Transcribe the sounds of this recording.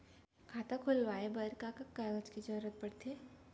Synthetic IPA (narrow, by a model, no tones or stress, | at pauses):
kʰaːt̪akʰʊlʋaːebəɾkakakːaɡət͡ʃkid͡ʒəɾuːɾət̪̚pəɽt̪eː